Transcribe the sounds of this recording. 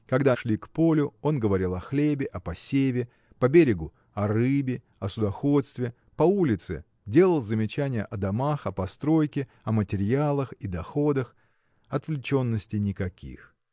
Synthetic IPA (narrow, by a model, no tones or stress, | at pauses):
kɐɡd̪aʂlʲikpo̞lʲʊo̞nɡəvɐɾʲilˠɐxlʲebʲɪʔɐpɐsʲevʲɪ | pɐbʲeɾʲɪɡʊ | ɐrɨbʲɪ | ɐsʊd̪ɐxo̞t̪st̪vʲɪ | pɐulʲɪt̪sɨ̰ | dʲe̞lˠəlˠzəmʲɪt͡ɕænʲɪjə̰ʔɐd̪ɐmaxɐpɐst̪ɾo̞jkʲɪ | ɐmətʲɪɾʲjalˠəxid̪ɐxo̞d̪əx | ɐt̪vlʲɪt͡ɕo̞nːəsʲtʲɪnʲɪkɐkʲʰḭx